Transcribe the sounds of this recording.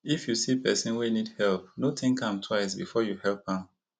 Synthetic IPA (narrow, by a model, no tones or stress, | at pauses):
ifjusipʰɛ̰sĩnwinidhɛlp̚notʰĩŋkʰãmtʰwaɪs̬bḭfɔjuhɛlˠp̚ãm